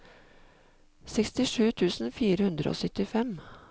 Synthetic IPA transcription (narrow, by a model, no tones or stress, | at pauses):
sɛkst̪ɪʂʉːt̪ʰʉːsn̩fiːɾəhʉnd̪ɾə̰o̰ːsœt̪ɪfɛm